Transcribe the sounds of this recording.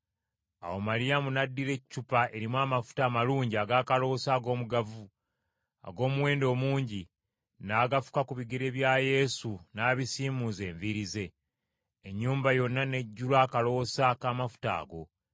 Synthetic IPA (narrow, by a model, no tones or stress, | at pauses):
a̰wo̞maɾijamunadːiɾe̞cːupaʔe̞ɾimwaːmafu̥taːmaluːɲɟiaɡaːkalo̞saːɡo̞ːmuɡavu | a̰ɡo̞ːmuwe̞ːndo̞ːmuːɲɟi | naːɡafu̥kakuβiɡeɾe̞βjaje̞sunaːβisiːmuze̞ːɱviɾize̞ː | ɲːuːmbajo̞nːane̞ɟːulaːkalo̞sakaːmafu̥ta̰ːɡo̞